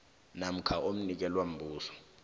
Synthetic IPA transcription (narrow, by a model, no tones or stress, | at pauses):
nam̩kʰaʔom̩nik̬ɛlwam̩bʱuːsɔ̥